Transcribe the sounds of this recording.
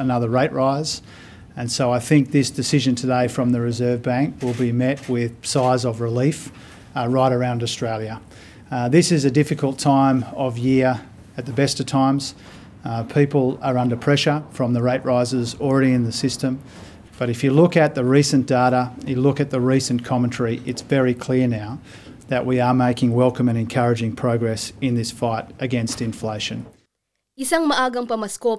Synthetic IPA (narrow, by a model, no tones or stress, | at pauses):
ənʌðə˞ɹeɪʔɹaɪz̥ | ɨ̃nsoʊaɪθɪ̃ŋk̚ðɪsd̥ɨsɪʒɨ̃ntʰɨdeɪfɹʌ̃mðɨɹɨzɜ˞vbæ̃ŋkwɪlˠbimɛt̚wɪð̥saɪzʌvɹɨlif | ɹaɪɾə˞ãʊ̃ndəstɹ̥eɪlˠjɨ | ðɪsɨzɨdɪfɨkʰl̩ˠtʰãɪ̃mʌvjɪɹ | ɨt̪̚ðɨbɛstʌv̥tʰãɪ̃mz̥ | pʰipl̩ˠə˞ʌ̃ndə˞pʰɹ̥ɛʃə˞fɹʌ̃mðəɹeɪʔ̚ɹaɪzə˞zl̩ˠɹɛɾiɨ̃nðɨsɪstɨ̃m | b̥ʌɾɨfjɨlʊkɨt̪̚ðɨɹisɨ̃nd̥eɪɾəjɨlʊkɨt̪̚ðəɹisɨ̃nkʰɑmɨ̃ntʰɛɹiʔɨtsvɛɹikʰl̥ɪɹnaʊ | ðɨʔwiə˞meɪkɪ̃ŋwɛlˠkɨ̃mɨ̃nɨ̃nkʰʌɹɨd͡ʒɪ̃ŋpʰɹ̥oʊɡɹɛsɨ̃nðɪsfaɪɾɨɡɛ̃nstɨ̃ɱfleɪʃɨ̰̃n | ɪsaŋmɐʔaːɡɐŋpɐmaskɔp